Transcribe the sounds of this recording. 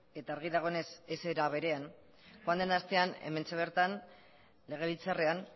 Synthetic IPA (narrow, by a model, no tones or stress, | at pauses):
e̞t̪aːɾɣ̞iðaɣ̞o̞ene̞seseɾaβe̞ɾe̞an | xoand̪e̞nast̪e̞ane̞̰me̞nt͡seβe̞ɾt̪an | le̞ɣ̞e̞βit͡sarean